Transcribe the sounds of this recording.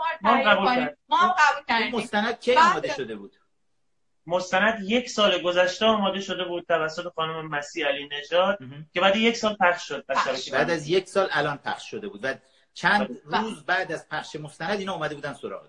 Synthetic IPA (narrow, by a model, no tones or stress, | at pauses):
mɒmɡæbuliæbumost̪ænæd̪̥̚cʰejɒːmɒːd̪eʃo̞d̪e̞buːd̪̥ | most̪ænæd̪je̞cʰsɒːleɡozæʃt̪eɒːmɒːd̪e̞ʃo̞d̪e̞buːd̪̥̚t̪ʰævæsːot̪ʰe̞xɒːnome̞mæsiːæliːne̞d͡ʒɒːd̪̥̚cʰe̞bæːd̪ijeksɒːlpæχʃʃod̪̚bææbæːd̪æzjecsɒːlælɒːnpʰæχʃʃo̞d̪e̞buːd̪væ | t͡ʃʰænd̪ruːzbæːd̪æzpʰæχʃe̞most̪ænæd̪inɒuːmæd̪e̞buːd̪ænsoɾɒ̰ɣḛ